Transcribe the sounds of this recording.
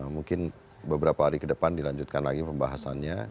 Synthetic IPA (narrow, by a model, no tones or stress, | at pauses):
muŋkɪn | bəbəɾapaɦaɾikədəpandilaɲd͡ʒut̪̚kanlaɡipəmbaɦasanɲa